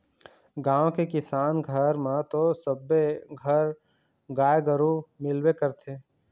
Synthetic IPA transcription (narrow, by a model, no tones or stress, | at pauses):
ɡãːõkekɪsaːnɡʱəɾmãt̪osəbːeɡʱəɾ | ɡaːeɡəɾumɪlwekəɾt̪ʰeː